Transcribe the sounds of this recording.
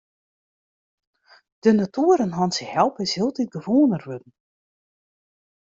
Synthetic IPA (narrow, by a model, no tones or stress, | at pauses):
d̥ənatuəɾənɦɔnsɪhɛlˠpɪshiəlˠtit̚ɡəvoːənərʋødn̩